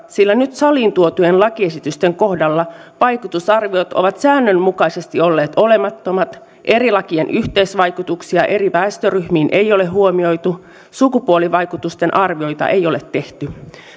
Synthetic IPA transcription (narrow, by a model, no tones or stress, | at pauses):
silːænyt̪sɑlˑiːnt̪uot̪ujenlɑkie̞sit̪yst̪e̞ŋko̞hdɑlːɑʋɑjkut̪usɑrʋiot̪o̞̰ʋɑt̪sæːnːønmukɑisest̪io̞lːeːt̪o̞le̞mɑt̪ːo̞mɑt̪ | ʔe̞ɾilɑkienʔyht̪eisʋɑjkut̪uksiɑʔe̞riʋæːst̪øryhmiːnʔejo̞leɦuomio̞jt̪u | sukupuoliʋɑjkut̪ust̪e̞nʔɑrʋio̞jt̪ɑ̰ʔejo̞let̪ːe̞ht̪y